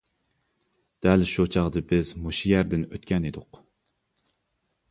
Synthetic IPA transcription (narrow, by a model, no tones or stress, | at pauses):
d̪̥ɛlʃut͡ʃʰɑʁd̪ɨbɪzmoʃijæɾd̪ɪnøt̪̚kʲɛnid̪ʊq